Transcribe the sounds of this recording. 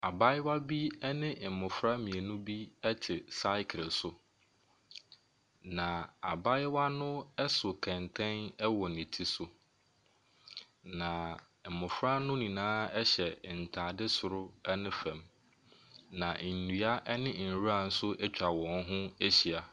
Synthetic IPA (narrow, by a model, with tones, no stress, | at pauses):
a˨ba˦ɪ˦wa˦bi˦ɛ˦nɪ̃˦m̩˨mʊ̃˨fɾa˦mĩ˨e˨nʊ̃˦bi˦ɛ˦tʰɪ˨sa˦ɪ˦kʰɪ˨sʊ˨ | nã˨a˨ba˦ɪ˦wa˦nʊ̃˦ɛ˦sʊ˨kʰɛ̃˨ntʰɛ̃˦nɛ˦wɔ˨nɪ̃˨tʰi˦sʊ˨ | nã˨ | m̩˨mʊ̃˨fɾa˦nʊ̃˦nĩ˨nãː˦ɛ˦ɕɛ˨n̩˨tʰãː˨dɪ˦sʊ˨ɾʊ˦ɛ˦nɪ̃˦fɛ̃˨m | nã˨n̩˨nɥa˦ʔɛ˦nɪ̃˦n̩˨ɾu˦a˦˨n̩˦sʊ˦ʔɛ˦t͡ɕᶣa˨wɔ̃˨n˦ɦʊ̃˦æ˦ɕi˨a˨